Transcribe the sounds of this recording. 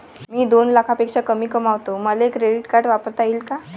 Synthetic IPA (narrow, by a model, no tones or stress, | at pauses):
miːd̪onlakʰapekʂakəmiːkəmaʋt̪oməleekɾeɖiʈkaʈʋapəɾt̪aiːlka